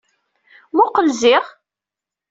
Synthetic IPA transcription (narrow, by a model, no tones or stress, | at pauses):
mʊqəlzɪʁ